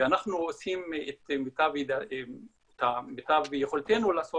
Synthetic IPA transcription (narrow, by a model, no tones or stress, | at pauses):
anaχnuosimet̪mitavida | tametavjeχolt̪enulaːso